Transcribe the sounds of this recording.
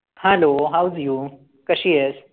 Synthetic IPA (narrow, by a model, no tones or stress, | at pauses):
hãloɦawzju | kəɕies